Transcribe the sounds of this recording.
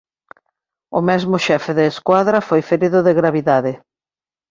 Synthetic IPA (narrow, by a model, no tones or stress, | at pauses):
ʊ̰mɛzmʊʃɛfeðeːskwaðɾafojfeɾiðʊðɪɣɾaβiðaðɪ